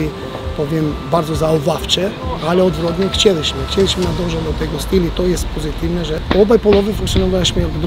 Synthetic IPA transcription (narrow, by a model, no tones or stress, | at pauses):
i | pɔvjɛmbaɾd̪zɔzauvaft͡ʃɛalɛɔd̪vɾɔd̪nɛxt͡ɕɛliɕmɛxt͡ɕɛliɕmɛnad̪ɔʒɛvd̪ɔt̪ɛjɡɔst̪ilit̪ɔjɛst̪pɔzit̪ivnɛʒɛɔbajpɔlˠɔvɛfũŋkt̪sionɔvaɕmɛɡd̪